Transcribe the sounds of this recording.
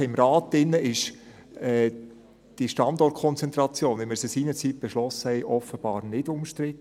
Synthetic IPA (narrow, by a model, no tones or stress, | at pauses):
ɪmɾɑːtːɪnːəʔɪʃ | ɛː | d̥iʃtɑndɔrt̚kʰɔnt͡sɛnt̪ɾɑt͡sjoːnʋɪmɪɾsəsiːnət͡sit̚b̥ɛʃlɔsəhɛɪʔɔfəb̥ɑːɾnɪdʊmʃtɾɪt̪ː